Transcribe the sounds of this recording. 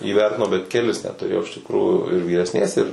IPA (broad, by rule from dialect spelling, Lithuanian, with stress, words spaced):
iːˈʋʲɛrʲtʲɪnɐʊ bʲɛt kʲɛˈlʲɪs nʲɛt tʊˈrʲeːjɛʊ ɪʃ tʲɪkˈruːjuː ɪr ʋʲiːrʲɛsʲˈnʲeːs ɪr